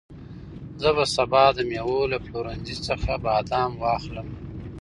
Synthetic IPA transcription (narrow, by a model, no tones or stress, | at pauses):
zəβasabɑd̪əmjewolapʰloɾanzit͡səxabɑːd̪ɑːmwɑːxləm